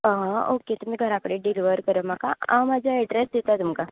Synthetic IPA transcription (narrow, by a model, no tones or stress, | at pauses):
ɦãoket̪um̤iːɡʱəɾakəɽeːɖiliʋəɾkəɾəmaka̰ã̰wmad͡ʑʱjaɛɖɾesd̪et̪at̪umka